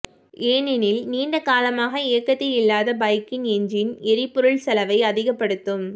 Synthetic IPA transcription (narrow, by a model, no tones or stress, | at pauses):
eːnɪnɪlniːɳɖɐkaːlɐmaːɣɐɪjɐkːɐt̪ːɪjɪlːaːðɐbɐɪkːɪnɛɲd͡ʒɪnɪɾɪpːʊɾɯɭsɐlɐʋɐɪɐðɪɣɐpːɐɽɯt̪ːɯm